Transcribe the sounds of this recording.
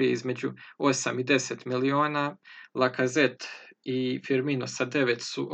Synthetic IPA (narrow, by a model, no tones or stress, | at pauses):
ieizme̞d͡ʑuo̞samid̪e̞set̪milio̞ːnalˠakaze̞t̪ifiɾminosad̪e̞ʋe̞t̪suʔ